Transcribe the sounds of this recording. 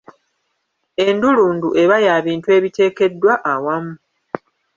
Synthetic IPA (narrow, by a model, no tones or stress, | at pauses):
e̞nduluːnduʔe̞βajaːβiːntue̞ːβite̞ːke̞dːwaʔawamu